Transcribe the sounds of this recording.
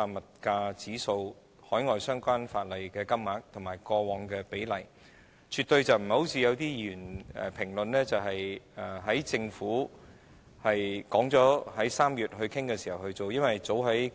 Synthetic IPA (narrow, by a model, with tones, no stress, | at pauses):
aː˧mɐ˨t̚kaː˧t͡siː˨˥so˧w | hɔː˨˥jŋɔː˨jsœː˥ŋkʷaː˥nfaː˧t̚lɐ˨jkɛː˧kɐ˥mmaː˨˥k̚t̪ʰʊ˨˩maː˨˩jkɔː˧wɔː˨˧ŋkɛː˧pe˨˥jlɐ˨˩j | t͡ʃʰy˨t̚t̪ɵ˧ɥt͡sɐ˨wm̩˨˩ho˨˥wt͡sʰiː˧jɐ˨˧wt̪iː˥jyː˨˩nɛ̰˨˩pʰɪ˨˩ŋlɵ˨nlɛː˥t͡sɐ˨wɦɐ˨jɛ˨˩ɦɐ˨˥jt͡sɪ˧ŋfuː˨˥ | hɐ˨jkɔː˨˥ŋt͡sɔː˨˥hɐ˨˥jsaː˥mjyː˨t̚hɵ˧ɥkʰɪ˥ŋkɛː˧siː˨˩hɐ˨˩whɵ˧ɥt͡so˨wjɐ˥nwɐ˨jt͡so˨˥wɦɐ˨˥j